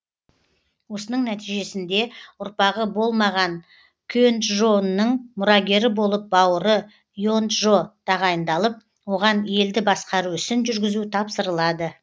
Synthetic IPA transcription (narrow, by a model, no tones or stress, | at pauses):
wo̞sənəɴnæt̪ijʒe̞sɪnd̪e̞ʊɾpɑʁəbo̞lˠmɑʁɑŋ | kʲʰønt̪ʒo̞nːəɴmʊɾɑɡʲe̞ɾɪbo̞lˠəp̚bɑwəɾə | jont̪ʒo̞t̪ʰɑʁɑjənd̪ɑlˠəp̚ | wo̞ʁɑne̞ld̪ɪbɑsqɑɾuʏsɪnʒʏɾɡʲɪzut̪ʰɑpsəɾəlˠɑd̪ə